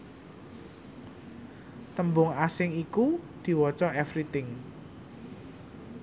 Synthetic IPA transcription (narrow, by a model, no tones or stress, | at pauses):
t̪əmbʊŋasɪŋikud̪̥i̤wɔt͡ʃɔɛfɾit̪ɪŋ